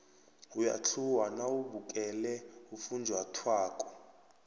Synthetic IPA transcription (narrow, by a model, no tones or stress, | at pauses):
uja̰t͡ɬʰuwanauɓukʼɛlɛufund͡ʒʱwatʰwaːkʼɔ